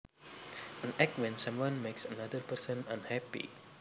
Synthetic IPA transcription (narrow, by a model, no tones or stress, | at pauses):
ʔə̃nɛk̚twɛ̃nsãmwãnmeksənadərpəɾsə̃nãnhɛpḭ